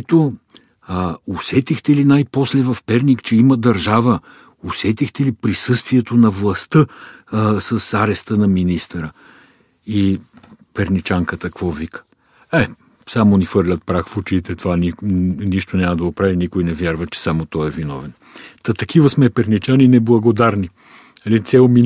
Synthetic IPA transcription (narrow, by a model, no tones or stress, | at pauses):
ɛt̪o | osɛt̪ixt̪ɛlinajpɔslɛvɐfpɛɾnikt͡ʃɛiməd̪ɐɾʒavə | osɛt̪ixt̪ɛlipɾisɤst̪viɛt̪onɐvlˠɐst̪ɤ | səsaɾɛst̪ənɐminist̪əɾə | ipɛɾnit͡ʃaŋkət̪əkvɔvikə̥ | ɛ | samonifɤɾlʲət̪̚pɾaxfʊt͡ʃit̪ɛt̪ovaniniʃt̪onʲaməd̪ɐopɾavinikojnɛvjaɾvət͡ʃɛ̥samot̪ɔɛvinɔ̰vɛn | t̪ɐt̪ɐkivəsmɛpɛɾnit͡ʃaninɛblˠɐɡod̪aɾni | ɐlit̪sɛlˠmi